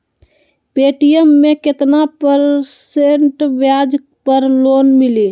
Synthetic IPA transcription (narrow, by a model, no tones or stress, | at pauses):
peʈijəmːeket̪napəɾseɳʈbjad͡ʒ | pəɾlonmili